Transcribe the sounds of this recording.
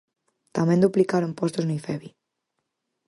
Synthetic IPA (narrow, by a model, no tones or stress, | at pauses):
t̪amẽnd̪uplikaɾompost̪oznejfeβi